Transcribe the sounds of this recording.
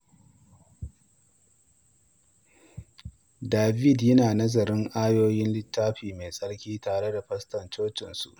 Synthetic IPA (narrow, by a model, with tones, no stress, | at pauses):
daː˨bi˦˨djɐ˦naː˨nɐ˦zɐ˨ɾɪ˦ŋʔaː˦joː˦jɪ˦nlɪ˦tːaː˦ɸiː˨me˨sʼɐ˦ɽkʲiː˦taː˨ɽe˦da˨ɸɐ˦stɐ˨nt͡ʃoː˦t͡ʃɪ˨nsṵ˨ʔ